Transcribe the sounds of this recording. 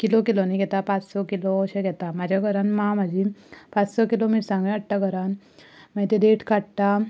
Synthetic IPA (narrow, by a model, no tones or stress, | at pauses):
kilɔkiloniɡʱɛt̪apat͡ssɔkilɔəɕɛ̃ɡʱɛt̪amad͡ʑʱjaɡʱəɾanmamad͡ʑipat͡ssɔkilomiʈsãŋɡẽəɽʈaɡʱəɾan | mət̪ed̪eʈkaɽt̪a